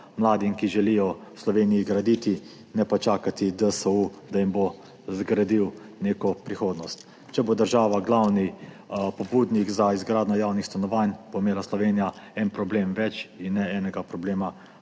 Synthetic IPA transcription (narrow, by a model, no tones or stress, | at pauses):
mlaːd̪imkiʒɛlijɔwslɔʋeːnijiɡɾad̪iːt̪i | nɛpat͡ʃaːkat̪id̪əsəud̪ajimbo | zɡɾad̪iwneːkɔpɾixoːd̪nɔst̪ | t͡ʃɛbod̪əɾʒaːʋaɡlawni | pɔbuːd̪nikzaizɡɾaːd̪nɔjaːwnixst̪anɔʋaːnboimeːlaslɔʋeːnijaɛnpɾɔbleːmʋɛt͡ʃinːɛɛːnɛɡapɾɔbleːma